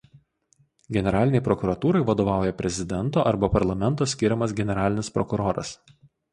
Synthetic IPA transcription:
ɡʲɛnʲɛɾɑːlʲɪnʲɛɪpɾɔkʊɾɐt̪uːɾɐɪʋɐd̪oːʋɑˑʊjɛpʲɾʲɛzʲɪd̪ʲɛnˑt̪oːʔɐɾbɐpɐɾlˠɐmʲɛnt̪oːsʲkʲɪɾʲɛmɐs̬ɡʲɛnʲɛɾɑːlʲɪnʲɪspɾɔkʊɾoːɾɐ̰s

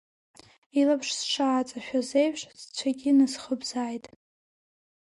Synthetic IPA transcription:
ilapʰʂsʈ͡ʂʰaːt͡sʼaʃᶣazejʂʼzt͡ɕʷʰaɡʲɪnɨsχəbzaːjtʼ

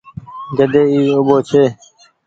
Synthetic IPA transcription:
ɡəd̪eːiːʊboːt͡ɕʰeː

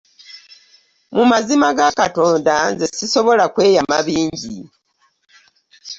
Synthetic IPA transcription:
mumazimaɡakato̞ːndanze̞siso̞βo̞lakwe̞ːjama̰βiːɲɟi

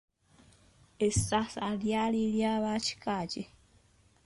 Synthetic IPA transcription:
estasaljaliljaːβaci̥kaːce

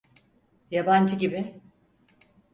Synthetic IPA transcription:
jaband͡ʒɯɟibɪ

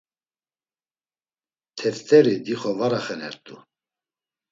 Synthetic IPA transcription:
t̪ʰɛft̪ʰʼɛɾid̪iχɔvaɾaχɛnɛ̰ɾt̪ʼu

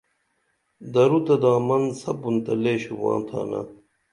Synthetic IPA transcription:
d̪ɐɾut̪ɐd̪aːmɐnsɐpunt̪ɐleːɕuwã̰ːnt̪ʰa̰ːnɐ̰

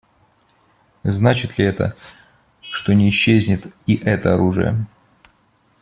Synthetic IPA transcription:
znat͡ɕɪt̪lʲɪɛt̪ə̰ | ʂt̪o̞nʲɪːɕːezʲnʲɪt̪iʔɛt̪əɐɾuʐɨ̰jə̰

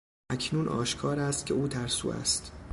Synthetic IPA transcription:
ʔæcʰnuːnʔɒ̰ːʃkʰɒːɾæst̪̚cʲʰeuːt̪ʰæɾsṵːæ̰st̪

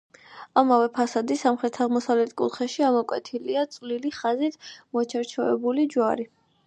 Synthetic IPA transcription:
amavɛpʰasad̪isamχɾɛt̪ʰaʁmɔsavlɛt̪ʰkʼṵt̪χɛʃiamɔkʼwɛ̰t̪ʰiliat̪sʼvliliχazit̪ʰmɔt͡ʃʰɛɾt͡ʃʰɔɛbulid͡ʒwaɾi

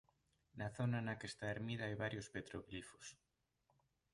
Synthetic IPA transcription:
naθonanakest̪aeɾmiðaajβaɾjospet̪ɾoβlifo̥s

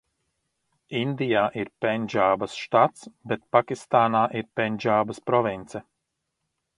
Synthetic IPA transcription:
ind̪ijaːʔiɾpɛnʲʒaːbɐsʃt̪at̪sbɛt̪̚pakist̪aːnaːʔiɾpɛnʲd͡ʒaːbɐspɾɔvint̪sɛ

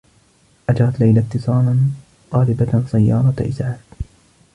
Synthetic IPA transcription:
ʔad͡ʒɑɾˤɑt̪lajlat̪ːɨsˤɑːlan | t̪ˤɑːlɪbasˤajːɑ̰ːɾˤɑt̪ʔɪsʕaːd̪

